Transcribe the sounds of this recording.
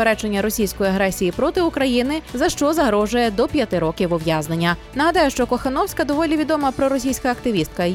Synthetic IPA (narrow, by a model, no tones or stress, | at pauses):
eɾɛt͡ʃenʲːɐɾɔsʲijsʲkɔjiɐɦɾɛsʲijipɾɔt̪ɪʊkɾɐjinɪzɐʃt͡ʃɔzɐɦɾɔʒʊjɛd̪ɔpʲjɐt̪ɪɾɔkʲiwʊʋjaznenʲːɐnɐɦɐd̪ɑjʊʃt͡ʃɔkɔxɐnɔwsʲkɐd̪ɔʋɔlʲiʋʲid̪ɔmɐpɾɔɾɔsʲijsʲkɐːkt̪ɪʋʲist̪̚kɐ